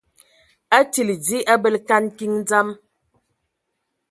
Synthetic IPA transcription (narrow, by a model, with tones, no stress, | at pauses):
a˦ti˨li˨d͡zi˦ʔa˦bə˦lka˦nki˦ŋ˦d͡za˦m